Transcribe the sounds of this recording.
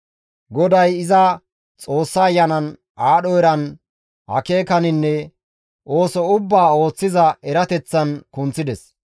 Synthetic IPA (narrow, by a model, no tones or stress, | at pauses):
ɡɔd̪ɐjɪzɐ | t͡sʼo̞ːsːɐːjːɐnɐn | ʔaːɗɔjɾɐn | hɐ̰keːkɐnɪnːɛ | ʔo̞ːsɔʊbːaːo̞ːt͡sːɪzɐɛɾɐt̪ɛt͡sːɐnkʊnt͡sːɪd̪ɛs